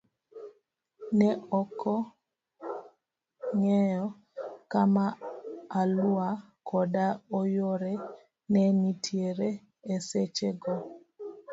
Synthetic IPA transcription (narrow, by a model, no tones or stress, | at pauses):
nɛʔɔkʰɔ | ŋɛjɔ | kamaalua | kʰɔdaɔjoɾɛ | nɛnitʰjeɾe | eset͡ʃeɡɔ